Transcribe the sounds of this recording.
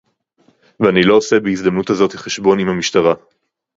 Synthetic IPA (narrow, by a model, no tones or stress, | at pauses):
veanilo̞ːse̞beizd̪amnuthazo̞tiχeʃbo̞nimhamiʃtaʁa